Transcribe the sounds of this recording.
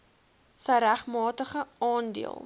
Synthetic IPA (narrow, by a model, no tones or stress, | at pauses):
səjɾæχmɑːtəχəɑːndḭəlˠ